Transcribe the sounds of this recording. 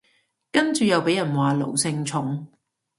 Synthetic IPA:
kɐ˥nt͡ʃyː˨jɐ˨wpe˨˥jɐ˨˩nwaː˨˩lo̰˨˩wsɪ˧ŋt͡ʃʰʊ˨˥ŋ

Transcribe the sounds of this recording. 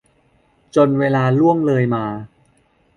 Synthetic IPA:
t͡ɕo˧nweː˧laː˧lu˥˩əŋlɤː˧jmaː˧

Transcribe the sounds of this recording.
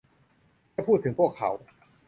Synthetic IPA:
a˥˩pʰuː˥˩t̪ʰːɯ˩˦pʰu˥˩əkʰːa̰˩˦w

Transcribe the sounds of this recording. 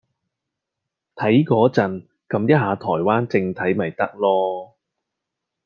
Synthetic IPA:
t̪ʰɐ˨˥jkɔː˨˧˥t͡sɐ˨n | kɐ˨˧˥mjɐ˥t̚haː˨˧t̪ʰɔː˨˩jwaː˥nt͡sɪ˧ŋt̪ʰɐ˨˥jmɐ˨˩jt̪ɐ˥k̚lɔː˥

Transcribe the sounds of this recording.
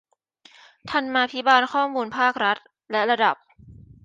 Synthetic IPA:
t̪ʰa˧nmaː˧pʰi˦˥baː˧nkʰɔː˥˩muː˧npʰaː˥˩k̚ɾa˦˥t̪̚ | lɛ˦˥ɾa˧da˨˩p̚

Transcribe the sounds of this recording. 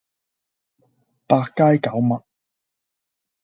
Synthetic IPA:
paː˧kːaː˥jkɐ˨˥wmɐ˨t̚

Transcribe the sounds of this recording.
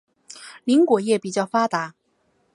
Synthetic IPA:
li˧˥ŋkwɔ˨˩jɛ˥˩pi˨˩t͡ɕjɑ˥˩ʊfa˥t̪a˧˥

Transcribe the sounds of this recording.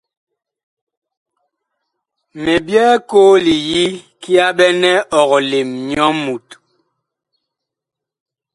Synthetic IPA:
mɛ˨bjɛː˦koː˦li˨ji˦ki˦a˦ɓɛ˦nɛ˦ʔɔ˨ɣɔ˨le˨mɲɔ˦mu˨t

